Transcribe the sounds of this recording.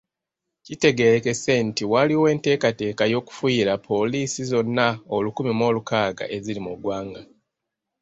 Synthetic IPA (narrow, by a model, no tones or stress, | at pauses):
cite̞ɡe̞ɾeke̞se̞ntiwaliwe̞ːnte̞ːkate̞ːkajo̞ku̥fwiːɾapʰo̞liːsizo̞nːaolukumimo̞ːlukaːɡa̰ʔe̞zilimuɡwaːŋɡa